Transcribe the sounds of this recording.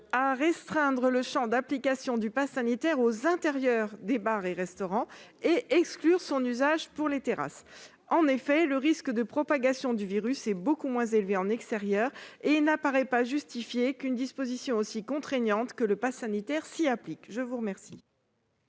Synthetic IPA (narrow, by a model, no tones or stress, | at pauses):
aʁɛst̪χɛ̃d̪ʁələʃɑ̃d̪aplikasjɔ̃d̪ypasanit̪ɛʁozɛ̃t̪eʁjœʁd̪ebaʁeʁɛst̪ɔʁɑ̃eʔɛksklyʁsɔ̃nyzaʒpuʁlet̪eʁa̰s | ɑ̃nefɛləʁiskd̪əpχɔpaɡasjɔ̃d̪yviʁysɛbokumwɛ̃zelveɑ̃nɛkst̪eʁjœːʁenapaʁɛpaʒyst̪ifjekynd̪ispozisjɔ̃osikɔ̃t̪χeɲɑ̃t̪kələpasanit̪ɛʁsiaplikʒəvuʁəmɛʁsḭ